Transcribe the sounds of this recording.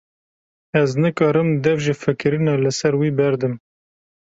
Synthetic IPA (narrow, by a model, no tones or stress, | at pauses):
ɛznɨkɑːɾɨmd̪ɛvʒefɨkɨɾɨnɑlɨsɛɾwiːbɛɾd̪ɨm